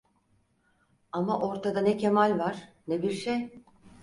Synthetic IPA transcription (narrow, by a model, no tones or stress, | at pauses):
amaʔo̞ɾt̪ʰad̪anɛcʰemalʲvaɾ̥nebiɾʃej